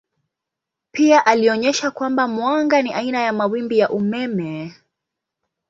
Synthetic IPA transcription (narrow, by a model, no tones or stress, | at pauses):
piaʔaliɔɲɛʃakwambamwaŋɡaniʔainajamawimbijaʔumɛmɛ